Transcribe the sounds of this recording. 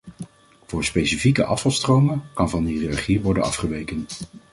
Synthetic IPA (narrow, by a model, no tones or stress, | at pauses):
v̥ʊːɹspejsifikə̰ʔɑ̰fɑlˠstrowmənkɑnvɑnirɑχiʋɔɹdənɑ̰fχəʋejkən